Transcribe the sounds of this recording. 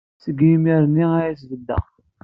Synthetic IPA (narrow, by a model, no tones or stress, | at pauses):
səɡimiɾnːiæjæsvəd̪ːə̰